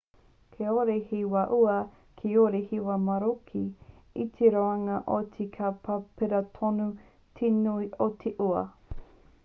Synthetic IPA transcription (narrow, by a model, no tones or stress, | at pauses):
kʰeoɾehiwɐʔuɐ | kʰioɾehiwɐmɐɾokʰi | it̪ʰeɾoɐŋɐʔot̪ʰikʰapʰapeɾɐtʰonu | t̪ʰenuiʔot̪ʰeʔuɐ̰